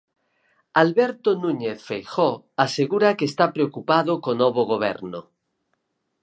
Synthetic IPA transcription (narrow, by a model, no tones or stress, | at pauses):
alβeɾt̪onũɲeθfejxo | aseɣuɾakest̪apɾeokupaðokonoβ̞oɣ̞oβ̞ḛɾno̰